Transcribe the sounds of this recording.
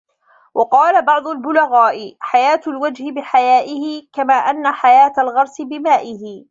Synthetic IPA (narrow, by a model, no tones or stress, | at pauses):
wʔɑqɑːlabɑʕd̪ˤʊlbʊlaɣaːʔɪħajaːt̪ʊlwad͡ʒhɪbɪħajaːʔɪhɪkamaːʔanːaħajaːt̪alɣɑɾˤsɪbɪmaːʔɪhɪ